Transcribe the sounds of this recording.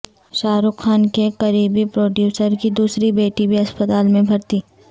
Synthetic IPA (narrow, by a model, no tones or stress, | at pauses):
ʃaːɾʊkxaːnkekɐɾiːbipɾoːɖjuːsəɾkid̪uːsɾibeːʈibʱiɐspət̪aːlmẽbʱɐɾt̪iː